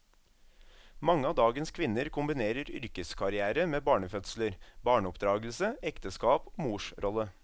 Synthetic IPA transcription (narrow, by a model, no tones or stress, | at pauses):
mɑŋːəɑːd̪ɑːɡənskʰʋɪnːəɾkʰʊmbɪneːɾəɾʏ̰ɾkəskʰɑɾɪæːɾəmeːbɑːɳəfœt̪sləɾbɑːɳəɔpd̪ɾɑːɡəl̩səɛkt̪əskɑːpoːmuːʂɾʔɔlːə